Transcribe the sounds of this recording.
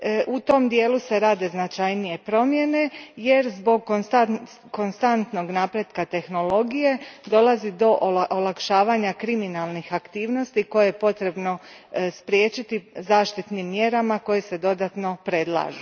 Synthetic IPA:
ʔut̪o̞md̪je̞ːluse̞ɾaːd̪e̞znat͡ʃajnije̞pɾo̞mje̞ne̞je̞ɾzbo̞ɡ̚koa | ko̞nst̪ant̪no̞ɡnaːpɾje̞d̪kat̪e̞xno̞lo̞ɡije̞d̪o̞lˠazid̪o̞ʔlʔolˠakʃaːʋaɲakɾiminalˠnixakt̪iːʋno̞st̪iko̞jejepo̞t̪ɾe̞bno̞spɾjeːt͡ʃit̪izaːʃt̪it̪nimːje̞ɾamako̞jese̞d̪o̞d̪at̪no̞pɾe̞d̪lˠa̰ːʒu

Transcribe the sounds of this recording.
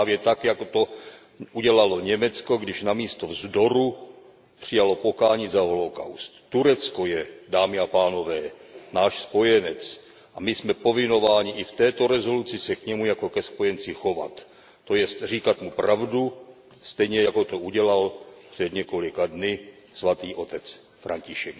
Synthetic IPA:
aːvjɛt̪akjakot̪o̞ | ʔuɟɛlalo̞ɲɛmɛt͡sko̞ɡdɪʃnamiːst̪o̞vzdo̞ɾu | pr̝̥ɪjalo̞po̞kaːɲiːzaɦo̞lo̞ka̰wst̪ːuɾɛt͡sko̞jɛdaːmɪapaːno̞vɛːnaːʃspo̞jɛnɛt͡s | ʔamɪsmɛpo̞vɪno̞vaːɲɪʔɪft̪ɛːt̪o̞ɾɛzo̞lut͡sɪsɛkɲɛmujako̞kɛspo̞jɛnt͡sɪxo̞va̰t̪ː | o̞jɛst̪riːkat̪mupɾavdu | st̪ɛjɲɛjako̞t̪o̞ʔuɟɛlalpr̝̥ɛd̪ɲɛko̞lɪkadnɪ | svat̪iːʔo̞t̪ɛt͡s | fɾʔaɲcɪʃɛk

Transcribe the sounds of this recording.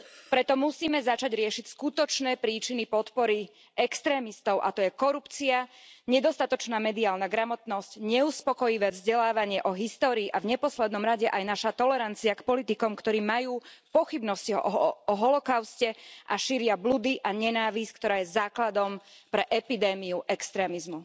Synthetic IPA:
pɾɛt̪ɔmusiːmɛzat͡ʃaɟɾɪɛʃicskut̪ɔt͡ʃnɛːpɾiːt͡ʃinipɔt̪pɔɾi | ɛkst̪ɾɛːmist̪ɔʊʔa̰t̪ɔjɛkɔɾupt͡siaɲɛd̪ɔst̪at̪ɔt͡ʃnaːmɛd̪iaːlnaɡɾamɔt̪nɔscɲɛuspɔkɔjiʋɛːvzɟɛlaːʋaɲɪɛʔɔɦist̪ɔːɾiːʔavɲɛpɔslɛd̪nɔmɾaɟɛʔajnaʃat̪ɔlɛɾant͡siakpɔlit̪ikɔmkt̪ɔɾiːmajuːpɔxibnɔsciɦɔ̰ʔɔɔɦɔlɔkaʊscɛʔaʃiɾɪablud̪iʔaɲɛnaːʋisk̚t̪ɔɾaːjɛzaːklad̪ɔmpɾɛʔɛpid̪ɛːmiuʔɛkst̪ɾɛːmizmu

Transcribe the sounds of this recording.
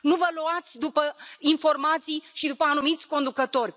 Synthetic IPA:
nuvəluat̪sʲd̪upəinfo̞rmat̪sijʃid̪upəanumit̪sʲko̞nd̪ukət̪o̞rʲ

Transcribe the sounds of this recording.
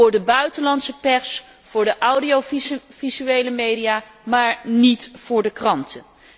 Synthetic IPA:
ʊːɹdəbœɥtəlɑnsəpɛɹs | fʊːɹdəʔawdiov̥izyejləmejdijaː | maːɹnitfʊːɹdəkrɑntʰə

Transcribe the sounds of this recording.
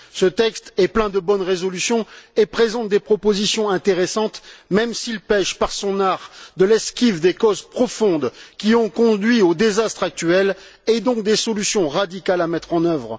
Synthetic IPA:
sət̪ɛkst̪ɛplɛ̃d̪əbɔnʁezɔlysjɔ̃epχezɑ̃t̪̚d̪epχɔpozisjɔ̃ɛ̃t̪eʁesɑ̃t̪mɛmsilpɛʃpaʁsɔ̃naʁd̪əlɛskʲivd̪ekɔzpχɔfɔ̃d̪kʲiɔ̃kɔ̃d̪ɥiod̪ezast̪χak̚t̪ɥɛl | ɛd̪ɔ̃k̚d̪esɔlysjɔ̃ʁad̪ikʲalamɛt̪χɑ̃nœvʁ

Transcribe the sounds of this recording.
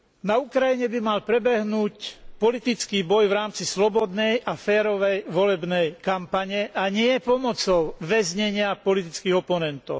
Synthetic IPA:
naukɾajiɲɛbimalpɾɛbɛɦnuːcpɔlit̪it͡skiːbɔjʋɾaːmt͡sislɔbɔd̪nɛjʔafɛːɾɔʋɛjʋɔlɛbnɛjkampaɲɛʔaɲɪɛpɔmɔt͡sɔʊʋɛzɲɛɲɪapɔlit̪it͡skiːɣɔpɔnɛnt̪ɔ̰ʊ

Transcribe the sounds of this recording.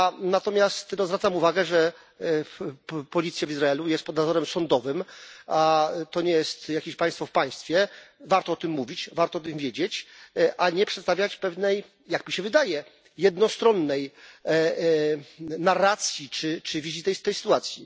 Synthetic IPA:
anat̪ɔmʲjast̪nɔzvɾat̪amuvaɡɛʐɛ | pɔlʲit̪sʲjavizɾaɛlujɛst̪pɔd̪nazɔɾɛmsɔnd̪ɔvɘmat̪ɔɲɛjɛst̪jakʲeɕpãj̃st̪fɔfpaj̃st̪fʲjɛvaɾt̪ɔɔt̪ɘmːuvʲit͡ɕvaɾt̪ɔɔt̪ɨmvʲjed͡ʑet͡ɕʔaɲɛpʂɛt̪st̪avʲjat͡ɕpɛvnɛj | jakmʲiɕɛvɘd̪ajɛ | jɛd̪nɔst̪ɾɔnːɛj | narːat̪sʲjit͡ʂɘt͡ʂɘvʲizʲit̪ɛjst̪ɛjsɘ̥t̪uat̪sʲji

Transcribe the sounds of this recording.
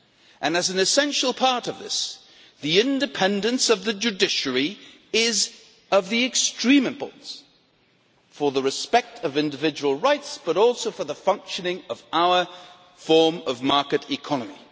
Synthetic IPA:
ʔɨ̃nɨzn̩ɨsɛ̃nʃl̩ˠpʰɑɹɾʌvðɪ̰s | ðiɪ̃ndɨpʰɛ̃ndɨ̃nsʌvðɨd͡ʒʉdɪʃə˞i | ɪz | ʌvðiɨkstɹ̥ĩmɨ̃mpʰɔ̰ɹʔn̩s | fə˞ðəɹɨspɛk̚tʰʌvɪ̃ndɨvɪd͡ʒəwəl̩ˠɹaɪtsb̥ʌɾɔlˠsoʊfə˞ðəfʌ̃ŋkʃɨnɪ̃ŋʌvaʊə˞ | fɔɹmʌvmɑɹkɨɾɨkʰɑnɨmḭ

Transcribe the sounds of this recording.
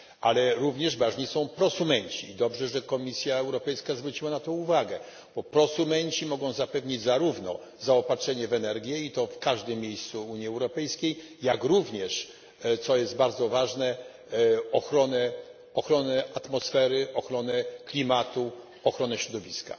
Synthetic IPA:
alɛɾuvɲɛʐvaʐɲisɔ̃w̃pɾɔsumɛɲt͡ɕiːd̪ɔbʐɛʐɛkɔmʲisʲjaɛwɾɔpɛjskazvɾut͡ɕiwanat̪ɔ̃uvaɡɛ | b̥ɔpɾɔsumɛɲt͡ɕimɔɡɔ̃w̃zapɛvɲid͡ʑzaɾuvnɔ̰ | zaɔpatʂɛɲɛvɛnɛɾɡʲjɛit̪ɔfkaʐd̪ɘmːʲejst̪suuɲjiɛwɾɔpɛjskʲejː | akɾuvɲɛʂ | t̪sɔjɛsd̪baɾd̪zɔvaʐnɛ | ɔxɾɔnɛ | ɔxɾɔnɛat̪mɔsfɛɾɘʔɔxɾɔnɛklʲimat̪u | ɔxɾɔnɛɕɾɔd̪ɔvʲiska̰

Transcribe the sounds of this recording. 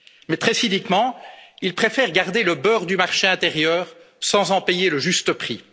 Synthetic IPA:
mɛt̪χɛsid̪ikmɑ̃ilpχefɛʁɡaʁd̪eləbœʁd̪ymaʁʃeɛ̃t̪eʁjœːʁ | sɑ̃zɑ̃pejeləʒyst̪əpχi

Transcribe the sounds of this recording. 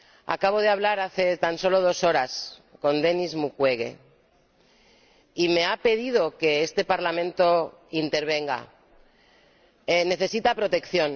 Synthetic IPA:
a̰kaβ̞o̞ðeaβ̞laɾaθe̞t̪anso̞lo̞ð̞o̞so̞ɾasko̞nd̪e̞nizmukwe̞ɣe̞̰ | ime̞ape̞ðið̞o̞ke̞est̪e̞paɾlamẽnt̪o̞ | int̪e̞ɾβ̞e̞ŋɡa̰ | ene̞θe̞sit̪apɾo̞t̪e̞kθjo̞n

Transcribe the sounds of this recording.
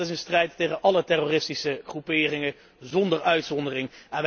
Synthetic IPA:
ɪs̬ənstrɛjtːejχənʔɑlətɛroːrɪstisəχrupɪːrɪŋə | zɔndəɹœɥtsɔndərɪŋɛnʋ

